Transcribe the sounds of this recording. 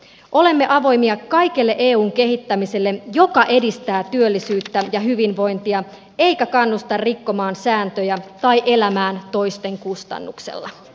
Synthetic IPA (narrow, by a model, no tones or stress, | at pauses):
ʔo̞le̞mːe̞ʔɑʋo̞jmiɑkɑjkelːeʔeːuːŋke̞ɦit̪ːæmise̞lːejo̞kɑʔe̞dist̪æːt̪yølːisyːt̪ːæjɑɦyʋinʋo̞jnt̪iɑ | e̞ikækɑnːust̪ɑrrikːo̞mɑːnsæːnt̪øjæt̪ɑjʔelæmæːnt̪o̞jst̪e̞ŋkust̪ɑ̰nːuksḛlːɑ̰